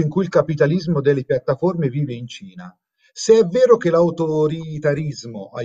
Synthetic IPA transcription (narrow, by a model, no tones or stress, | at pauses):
iŋkuilkapit̪alizmod̪elːepjat̪ːaformeviːveint͡ʃiːna̰ | seɛvːɛːɾok̟elawt̪oɾit̪aɾizmoʔa